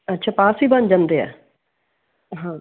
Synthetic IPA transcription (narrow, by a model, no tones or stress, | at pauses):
ətːʃʰaːpaːsiːbənd͡ʒãnd̪eːɛ̰ː | ɦãː